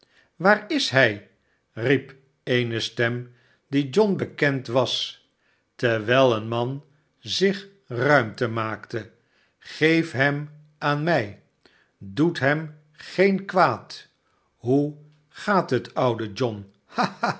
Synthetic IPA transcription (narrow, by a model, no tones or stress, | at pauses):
ʋaːɹɪsɦɛj | rip | ejnəstɛm | did͡ʒɔnbəkɛntʋɑs | tɛɹʋɛlˠənmɑn | zɪχ | rœɥmtəmaːktə | χejfɦɛm | ʔaːnmɛj | dutɦɛm | χejnkʋaːt | ɦu | χaːtɦətʌwdəd͡ʒɔn | ha